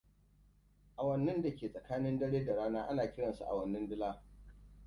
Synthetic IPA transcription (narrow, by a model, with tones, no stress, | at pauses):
ʔa˨wɐ˨nːɐ˦nda˨kʲeː˨sʼɐ˨kaː˦nɪ˦ndɐ˦ɽeː˦da˨ɽaː˦naː˦ʔa˦naː˨kʲɪ˦ɽɐ˨nsṵ˦ʔa̰˨wɐ˨nːɐ˦ndɪ˦laː˦